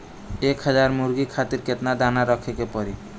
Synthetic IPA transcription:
ekhʌd͡ʒaɾmuɾɡikʰat̪iɾket̪nad̪anaɾʌkʰekepɔɾi

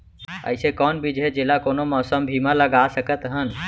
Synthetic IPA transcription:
ə̰ɪsẽkɔnbʱid͡ʒʱɦed͡ʒelakonomɔsəmbʱimaləɡasəkət̪ɦən

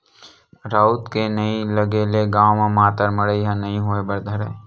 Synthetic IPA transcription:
ɾaːut̪kenəĩləɡeːleɡaːmãmaːt̪əɾməɽəiɦãnəɦĩɦoebəɾd̪ʱəɾḛ

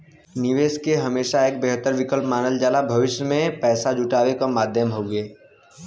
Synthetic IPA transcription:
nɪʋeːskeɦɐmeːʃaeːk̚beːɦt̪əɾʋɪkəlpmaːnəld͡ʒaːlabʱɐʋɪʃjəmẽpɛːsad͡ʒuʈaːʋekamaːd̪ʱjəmɦoːɡeː

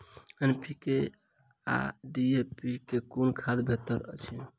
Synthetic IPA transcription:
enpike | a̰ɖiepikekonkʰad̪bʱet̪əɾə̰t͡ʃʰi

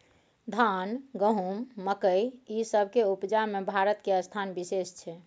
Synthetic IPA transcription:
d̪ʱanɡəɦumːəkəjisəbʱkeupd͡ʒamebʱaɾət̪keəst̪ʰanbisest͡ʃʰɛ

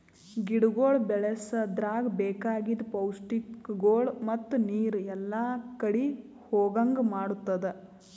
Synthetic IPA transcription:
ɡiɽɡoːɭbɛɭesɐd̪ɾaːɡbɛːkaːɡid̪pɐwsʈikɡoːɭmɐt̪ːuniːɾɛlːɐkɐɽi | hoːɡɐŋɡmaːɽut̪ːɐd̪e

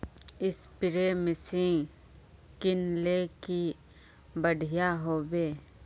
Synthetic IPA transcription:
ɪspɪɾemɪsĩ | kɪnleki | bəɽʱɪjaɦoːbeː

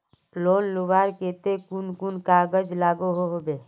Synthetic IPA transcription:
lonluʋaɾket̪ekunkunkaɡəd͡ʒlaɡoɦoɦobe

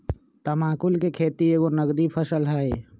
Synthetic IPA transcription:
t̪əmaːkulkekʰeːt̪ieːɡonəɡɾipʰəsəlɦəe

